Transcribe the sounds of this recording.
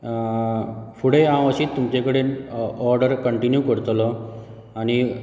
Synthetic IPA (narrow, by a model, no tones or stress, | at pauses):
fuɽeãəɕiːt̪ːumt͡ɕekəɽenɔɾɖəɾkəɳʈinjukəɾt̪lɔ | ani